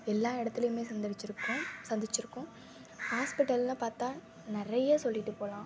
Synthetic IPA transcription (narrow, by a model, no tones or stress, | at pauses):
ɛlːaːɪɽɐt̪ːɪlɐjɯmeːsɐnd̪ɪɪt͡ʃːɪɾɯkːʊ̃sɐnd̪ɪt͡ʃːɪɾɯkːʊ̃ | haːspɪʈːɐllãːpaːɾt̪ãː | nɪɾɐjɐsɔlːɪʈːɯpoːlãː